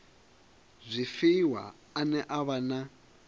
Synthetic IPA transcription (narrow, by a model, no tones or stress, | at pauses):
zʷifiwa̰ː | nɛʔaβana